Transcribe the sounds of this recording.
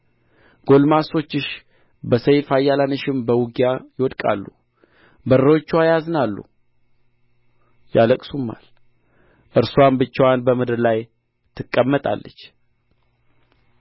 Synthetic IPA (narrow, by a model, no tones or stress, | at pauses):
ɡ̥o̞lmaso̞t͡ʃːɪʃ | bəsəjfajːalanəʃɪmbəwuɡjajɪwɔd̪kʼa̰lːu | bəɾəwot͡ʃːwajaznalːṵ | jaləkʼsumːa̰l | ʔɨɾsuambɨt͡ʃːɛwanbəmɨd̪ɨɾlaj | t̪ʰɨkʼːəmːət̪ʼa̰lːət͡ʃː